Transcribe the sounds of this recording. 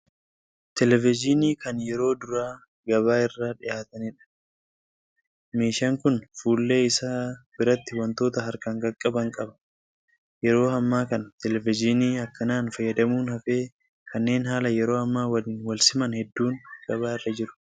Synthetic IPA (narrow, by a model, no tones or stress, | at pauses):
t̪ɛlɛvɪd͡ʒɪniːkɐnjɛɾo̞ːd̪ʊɾaː | ɡɐβaːɪrːaːᶑɪjaːt̪ɐnɪᶑɐ̥ | meːʃɐŋkʊnfuːlːe̞ːɪsaːbɪɾɐt̪ːɪwɐnt̪o̞ːt̪ɐɦɐɾkɐŋɡɐkʼːɐbɐŋkʼɐbɐ̥ | jɛɾo̞ːhɐmːaːkɐnt̪ɛlɛvɪd͡ʒɪniːɐkːɐnaːnfɐjːɐd̪ɐmuːnhɐfeː | kʰɐnːe̞ːnɦaːlɐjɛɾo̞ːɐmːaːwɐliːnwɐlsɪmɐnhɛd̪ːuːŋɡ̥ɐβaːɪrːɐd͡ʒɪɾʊ̥